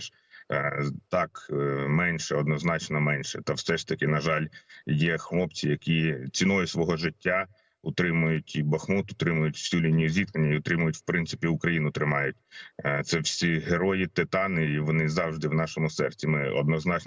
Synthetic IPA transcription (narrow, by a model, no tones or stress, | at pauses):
t̪ɑkmɛnʲʃɛɔd̪nɔznɑt͡ʃnɔmɛnʲʃɛ̰t̪ɐwsɛʂt̪ɐkɪnɐʒɑlʲjɛxlˠɔp̚t͡sʲijɐkʲit͡sʲinɔjʊsʋɔɦɔʒɪtʲːa | ʊt̪ɾɪmʊjʊtʲibɐxmut̪ʊt̪ɾɪmʊjʊtʲwsʲulʲinʲijʊzʲit̪k̪enʲːɐiɔt̪ɾɪmʊjʊtʲwpɾɪnsɪ̥pʲiʊkɾɐjinʊt̪ɾɪmɑjʊtʲt̪sɛwsʲiɦeɾɔjit̪ɪt̪ɑnɪʋɔnɪzɑwʒd̪ɪwnɑʃɔmʊsɛrt͡sʲimɪɔ̰d̪nɔznɑt͡ʃ